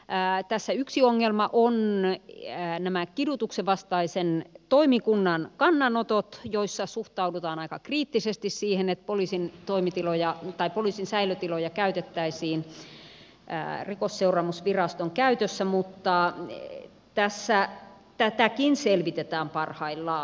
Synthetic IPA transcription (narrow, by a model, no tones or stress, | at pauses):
t̪æsːæyksioŋːelmɑʔon | næmækidut̪ukseʋɑst̪ɑisent̪oimikunːɑnkɑnːɑnot̪ot̪joisːɑsuht̪ɑudut̪ɑːnɑikɑkriːt̪ːisest̪issiːhenet̪̚poliːsint̪oimit̪ilojɑt̪ɑipoliːˑsinsæiløt̪ilojɑkæyt̪et̪ːæisiːn | rikosːeurɑːmusʋirɑst̪oŋkæyt̪øsːæmut̪ːɑ | t̪æsːæ | t̪æt̪ækinselʋit̪et̪æːmpɑrhɑilːɑː